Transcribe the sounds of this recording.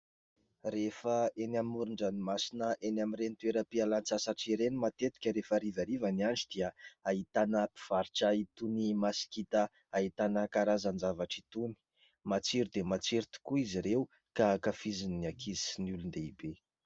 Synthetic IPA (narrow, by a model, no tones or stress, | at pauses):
ɾefəenamiuɾuɳɖ͡ʐənimasinəʔenamiɾenit̪ueɾəpialant͡sasaʈ͡ʂiɾenimat̪et̪i̥kʲəɾefaɾivaɾivaniaɳɖ͡ʐid̪̥iəait̪anəpi̥v̥aɾʈ͡ʂait̪unimasi̥kit̪ə | ait̪anəkaɾazand͡ʒavaʈ͡ʂit̪uni̥ | mat͡siɾud̪emat͡siɾit̪i̥kuiziɾeu | kakafiziniakʰiznulund̪eibe